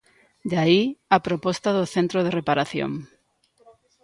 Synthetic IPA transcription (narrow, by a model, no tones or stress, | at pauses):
d̪aiapɾopɔst̪aðoθẽnt̪ɾoð̞erepaɾaθjo̰ŋ